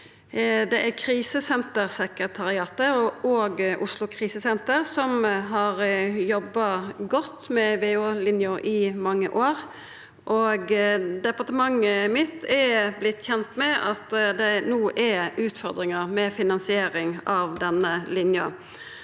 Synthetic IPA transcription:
d̪ɛʔækʰɾiːsəsɛnt̪əʁsɛkəət̪ʰɑɾɪɑːt̪əɔʔoːɡʔʊslʊkʰʁiːsəsɛnt̪əʁsɔmɦɑːʁjɔbːɑɡɔt̪ːmɛʋeːoːlɪnjʊʔɪmɑŋːə̰ʔoːʁ | ʔoɡd̪ɛpɑʁt̪əmɑŋːəmɪt̪ʰːɛblɪt̪ːçɛnt̪mɛʔɑt̪d̪ɛnuːʔæʉːt̪fɔʁd̪ʁɪŋəʁmɛfɪnɑnsɪeːɾɪŋɑʋd̪ɛnːəlɪnjɑ̰

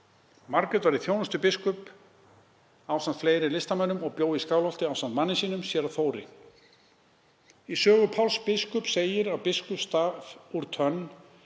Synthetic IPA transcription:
maɾkɪt̪vaɾiθjoːwnast̪ʏpɪskʏp | aːwst̪ant̪fleːjɾɪlɪst̪amanʏmɔɣpjoːwðiskaːwlɔlt̪ɪawst̪ant̪manːɪsiːnʏmsjɛɾawθoːwɾɪ̰ | isœːɣʏpʰawlspɪskʏpseːjɪɾawpɪskʏst̪aːvuɾ̥t̪ʰœnː

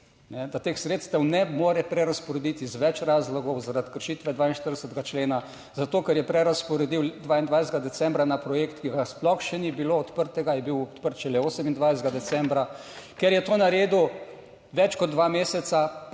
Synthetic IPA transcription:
nɛd̪at̪eːxsɾeːt̪st̪ɛwnɛmoːɾɛpɾɛɾaspɔɾɛd̪it̪izʋɛt͡ʃɾaːzlɔɡɔwzaɾat̪kəɾʃiːt̪ʋɛd̪ʋaːinʃt̪əɾd̪ɛsət̪̚ɡat͡ʃleːna | zat̪oːkɛɾjɛpɾɛɾaspɔɾɛd̪iwd̪ʋaːind̪ʋajsd̪ɡad̪ɛsɛ̃mbɾanapɾɔjeːkt̪kiɡasplɔxʃɛnibiloɔt̪pəɾt̪ɛɡajɛbiwɔt̪pəɾt̪ʃɛlɛoːsɛmind̪ʋajsd̪ɡad̪ɛt̪sɛmbɾakɛɾjɛt̪oːnaɾeːd̪u | ʋɛt͡ʃkɔd̪ːʋameːsɛt̪sa

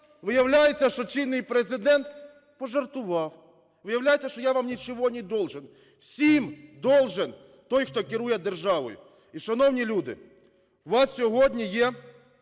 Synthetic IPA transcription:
ʋɪjɐwlʲajet͡sʲːɐʃt͡ʃɔt͡ʃinːɪjpɾezɪd̪ɛnt̪ | pɔʒɐrt̪ʊʋɑw | ʋɪjɐwlʲajet͡sʲːɐʃt͡ʃɔjaʋamnʲit͡ʃɔʋɔnʲid̪ɔlˠʒɪn | wsʲimd̪ɔlˠʒɪn | t̪ɔjxt̪ɔkɪɾujɛd̪erʒɑʋɔ̰jʊ̰ | iʃɐnɔwnʲilʲud̪ɪ̰ | ʋɑssʲɔɦɔdʲnʲijɛ

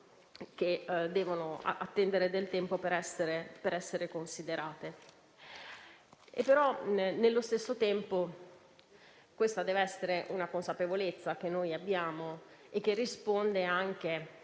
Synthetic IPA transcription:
k̟ed̪ːɛːvonoa̰a̰t̪ːɛnd̪eɾed̪elt̪ɛmpopeɾɛsːeɾepeɾɛsːeɾekonsid̪eɾaːt̪e | ḛpːeɾɔnelːost̪esːot̪ɛmpo | kwest̪ad̪ɛːveɛsːeɾeʔunakonsapevolet̪sːak̟enːojabːjaːmo | ek̟ːerːispond̪eaŋk̟e

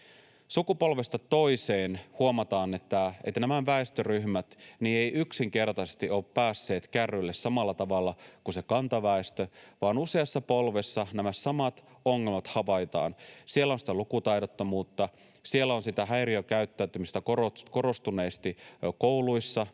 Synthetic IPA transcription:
sukupo̞lʋest̪ɑt̪o̞iseːnhuomɑt̪ɑːne̞t̪ːæḛt̪ːænæmæʋæest̪øryhmæt̪nie̞jʔyksiŋke̞rt̪ɑsest̪iʔo̞ːppæːsːe̞ːt̪kærːylːessɑmɑlːɑt̪ɑʋɑlːɑkuse̞kɑnt̪ɑʋæest̪øʋɑːnuse̞ɑsːɑpolʋesːɑnæmæssɑmɑt̪ | oŋːe̞lmɑt̪hɑʋɑjt̪ɑ̰ːnsielæonsi̥t̪ælukut̪ɑjdot̪ːɑmuːt̪ːɑ | sielːæonsit̪æɦæjɾiokæyt̪ːæyt̪ymist̪ækoroko̞ɾo̞st̪une̞ːst̪ikowluisːɑ

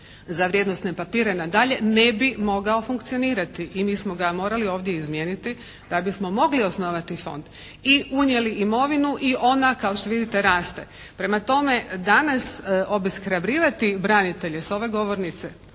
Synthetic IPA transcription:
zaʋɾje̞d̪nost̪ne̞papiːɾenad̪aʎe̞ne̞bimo̞ɡaofuŋkt̪sioniːɾat̪iʔimiːsmo̞ɡamo̞ːɾalio̞ːʋd̪je̞izmjeːnit̪i | d̪̥abismo̞mo̞ɡlio̞snoʋat̪ifo̞̰nd̪̥ | iuɲjeliʔimo̞ʋinuʔiʔo̞nakao̞ʃt̪oʋid̪it̪e̞ɾaːst̪e̞ | pɾe̞mat̪o̞me̞d̪anasʔo̞biskɾabɾiːʋat̪ibɾanit̪e̞ʎeso̞ʋe̞ɡo̞ʋo̞ɾnit̪se

